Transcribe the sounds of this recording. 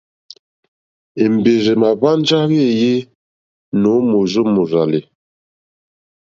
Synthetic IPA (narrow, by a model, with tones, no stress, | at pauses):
e˨m˨be˨ze˨ma˨ba˦n˦d͡ʒa˦ɣe˦˨je˦ | no˨˦mo˨zu˦mu˨ɾa˨li˨